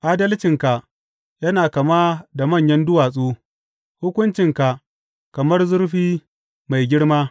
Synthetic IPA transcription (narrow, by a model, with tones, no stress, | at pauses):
ʔa˦dɐ˦lt͡ʃɪ˨ŋka˨ʔ | jɐ˦naː˨kɐ˨maː˦da˨mɐ˦˨ɲjɐ˦ndʊ˦waː˨sʼoː˦ | hʊ˦kʷʊ˦nt͡ʃɪ˨ŋka˨ | kɐ˨mɐ˦rzʊ˦rɸiː˦ | ma˨jɡʲɪ˦ɽmaː˦